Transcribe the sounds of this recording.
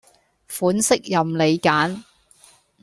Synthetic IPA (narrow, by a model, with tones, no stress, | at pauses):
fuː˨˥nsɪ˥k̚jɐ˨mle˨˧jkaː˨˥n